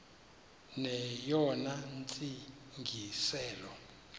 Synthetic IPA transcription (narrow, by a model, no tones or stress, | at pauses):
nɛjɔnant͡sʼi | ŋɡʱisɛːlɔ